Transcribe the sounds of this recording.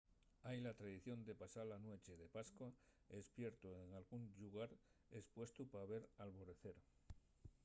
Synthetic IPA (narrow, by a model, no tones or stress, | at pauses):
ajlat̪ɾaðiθjo̞nd̪e̞pasalanwe̞t͡ʃe̞ðe̞paskwa | espje̞ɾt̪oeŋalɣunʎuɣ̞aɾespwe̞st̪upaβe̞ɾalβo̞ɾe̞θe̞ɾ